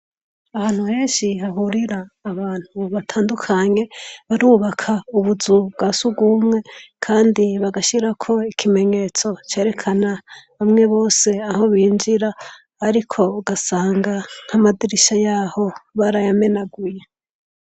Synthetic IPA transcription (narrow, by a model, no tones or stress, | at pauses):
ahaːn̥huhe̞ːnʃihaɦuɾiɾaːβaːn̥huβatʰaːndukʰaɲe̞βaɾuːβakʰauβuzuβɡasubɡumŋe̞kʰaːndiβaɡaʃiɾakʰo̞ikʰime̞ɲe̞t͡so̞t͡ʃe̞ːɾe̞kʰanaβamŋe̞βo̞ːse̞aho̞βiːnd͡ʒiɾaː | ɾikʰo̞uɡasaːŋɡaŋ̥hamadiɾiʃajaːho̞βaɾajame̞naɡuje